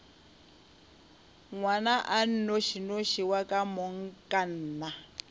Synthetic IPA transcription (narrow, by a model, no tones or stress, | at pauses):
ŋwanaʔan̩noʃinoʃiwakʼamɔŋ̩kʼan̩ːna